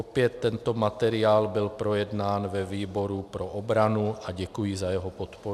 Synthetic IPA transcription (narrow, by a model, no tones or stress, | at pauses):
opjɛt̪ːɛnt̪o̞mat̪ɛɾɪaːlbɪlpɾo̞jɛdnaːnvɛviːbo̞ɾupɾo̞ʔobɾanuʔaɟɛkujizajɛɦo̞po̞t̪poɾ